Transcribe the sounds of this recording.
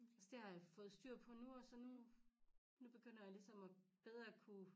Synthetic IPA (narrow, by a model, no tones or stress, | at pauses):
ɒsd̥e̝hɑ̈jɑfɔ̽ːð̩ˠsd̥yɐ̰pʰɒ̽nuɒ̽sɒ̽nu | nub̥e̝ɡ̥øn̰ɐjɑ̈lisɒ̽mɒb̥eð̞ˠʁɐkʰu